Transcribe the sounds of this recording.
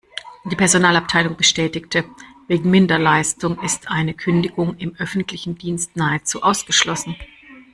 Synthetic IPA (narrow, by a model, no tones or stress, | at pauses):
d̥iːpʰɛɐzonaːlap̚tʰaɪlʊŋbəʃtɛːtɪktʰəveːɡŋ̩mɪndɐlaɪstʊŋɪstʔaɪnəkʰʏndɪɡʊŋɪmʔœfn̩tʰlɪçn̩diːnstnaːət͡sṵːʔaʊsɡ̥əʃlɔsn̩